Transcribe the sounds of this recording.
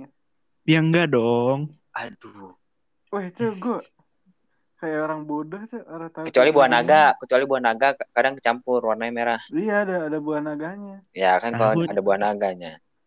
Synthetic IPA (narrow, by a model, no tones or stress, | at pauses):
ijaŋɡadɔŋ | at̪u | wɛht͡ʃ̪əɡoʔ | kajaoɾaŋbodaht͡ʃ̪əoɾat̪akə̥t͡ʃualibuanaɡakət͡ʃualibuahnaɡakadaŋkət͡ʃampʊrwarnaɲameɾahiaːdaːdabuahnaɡaɲajakankaloadabuahnaɡaɲa